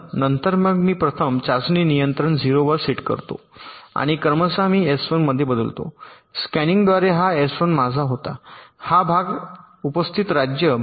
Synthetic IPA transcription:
nənt̪əɾməɡmiːpɾət̪ʰəmt͡ɕasniːnijənt̪ɾəɳd͡ziɾoʋəɾsiʈkə̰ɾt̪o̰a̰ɽ̃ikəɾməsamiːesfənməd̪ʱjebəd̪əlt̪o̰ | skɛniŋɡd̪ʋaɾeɦaesʋənmad͡zʱaɦot̪ahabʱaɡ | upəst̪ʰit̪ɾad͡ʑjə

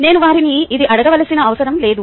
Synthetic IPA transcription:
ne̞ːnuʋaːɾiniːd̪iʔɐɽɐɡɐʋɐlɐsinɐːʋɐsɐɾɐmle̞ːd̪u

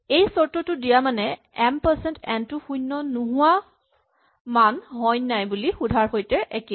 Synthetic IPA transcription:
ejsɔɹtɔtʊdijamanɛ | ɛmpəɹsɛntɛntʊxujnːɔnʊɦʊwa | manɦɔjnajbulixudʱaɹxojtɛʔɛke

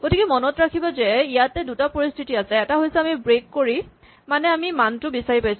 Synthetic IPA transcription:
ɡ̥otikɛmɔnɔtɹakʰibazɛijatɛdutapoɹistʰitiasɛːtaɦojsɛamibɹekːoɹi | manɛamimantʊbisaɹipajs

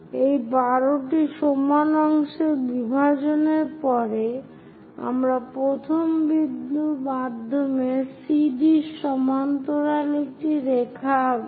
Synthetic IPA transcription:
ejbaɾoʈiʃomanɔŋʃeɾbibʱad͡ʑoneɾpɔɾe | a̰mɾapɾot̪ʰombid̪numad̪ʱːomesiɖiʃɔmant̪oɾaliʈiɾekʰa

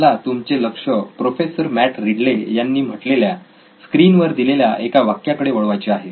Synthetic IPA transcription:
lat̪umt͡seləkʂəpɾofesəɾmæʈɾiɽlejanːiːm̤əʈlelja | skɾinʋəɾd̪ileljaʔekaʋakːjakəɽeʋəɭʋajt͡ɕeaɦe

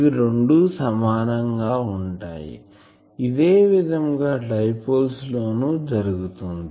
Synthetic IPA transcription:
iɾeɳɖusɐmaːnɐŋɡaːuɳʈa̰ːjḭ | id̪eːʋid̪ʱɐŋɡaːɖɐjpɐlslo̞ːnuːd͡ʒɐɾuɡut̪und̪i

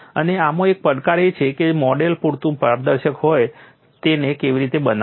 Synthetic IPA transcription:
əneamõek̚pəɽkaɾet͡ʃʰeked͡ʒmɔɖelpuɽt̪ũpəaɾd̪əɾʃəkɦoj | t̪enekeʋiɾit̪ebəna

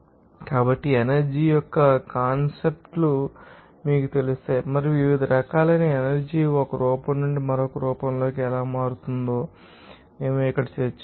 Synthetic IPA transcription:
kaːbɐʈːienɐɾd͡ʒiːjɔkːɐkaːnsep̚ʈlu | miːkut̪e̞lust̪aːjmɐɾiʋiʋid̪ʱɐɾɐkaːlɐnienɐɾd͡ʒiɔkɐɾuːpɐmːuɳɖimɐɾokɐɾuːpɐmlo̞ːkiɛlaːmaːɾut̪und̪o̞ː | eːmuikːɐɽɐt͡ʃeːt͡ʃː

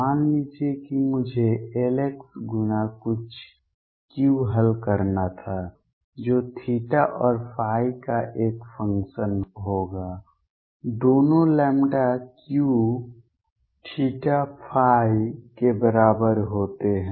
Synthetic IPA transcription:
aːnlit͡ʃiekimʊd͡ʒʱeeːleksɡʊnakʊt͡ʃʰ | kjũɦəlkəɾnat̪ʰa | d͡ʒoːʈʰiːʈaʔɔːɾpʰaːikaʔeːkpʰə̃ŋkʃənɦoːɡaː | d̪oːnolɛːmɖakjũ | ʈʰiːʈapʰaːikebəɾaːbəɾɦoːt̪eɦɛ̃

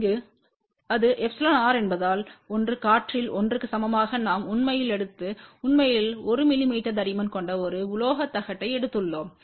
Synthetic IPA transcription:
ɡɯ | ɐðɯʔɛfsɐlɐnaːɾɛnbɐðaːlɔndrɯkaːʈrɪlɔndrɯkːɯsɐmɐmaːɣɐnaːmʊnmɐjɪlɛɽɯt̪ːɯʊnmɐjɪlɔɾɯmɪlɪmiːʈːɐd̪ɐɾɪmɐnkɔɳɖɐɔɾɯʊloːɣɐt̪ːɐɣɐʈːɐɪɛɽɯt̪ːɯɭːoːm

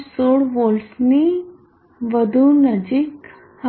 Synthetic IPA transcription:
soɽʋolsni | ʋəd̪ʱũnəd͡ʑik | h

